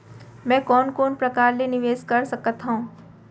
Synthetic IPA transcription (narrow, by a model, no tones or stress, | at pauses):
mɛ̃ːkɔːnkoːnpɾɐkaːɾlenɪʋeːzkɐɾsɐkət̪ɦõː